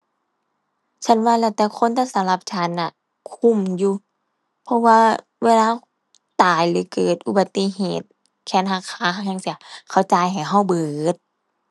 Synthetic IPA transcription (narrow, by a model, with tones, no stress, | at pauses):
t͡ɕʰa˧˥˨nwaː˧˨lɛ˧˩t̪ɛː˧˩kʰo˧˥˨nt̪ʰa˧˨sa˨˧˦mla˧p̚t͡ɕʰa˧˦˨nːa˧˨ | kʰu˧˥˨mjuː˧ | pʰɔ˧˥waː˧ | weː˧˨laː˧˨ | t̪aː˨˩jlɯː˨˦kɤː˨˩t̪̚ʔu˧ba˨˧˦t̪ːi˧˨heː˨˩t̪̚ | kʰɛː˧˥˨nɦaː˧˩kʰaː˨˧˦ɦa˧˥˩ŋɲa˧˨ŋsi˧˦ɐkʰa˧˩wt͡ɕa˧˦jɦa˨˩jɦa˧˥˩wbɤː˨˩t̪̚